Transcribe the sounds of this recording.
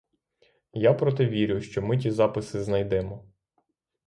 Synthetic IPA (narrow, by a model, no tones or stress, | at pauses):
japɾɔt̪ɛʋʲiɾʲʊʃt͡ʃɔmɪtʲizɑpɪsɪznɐjd̪ɛmɔ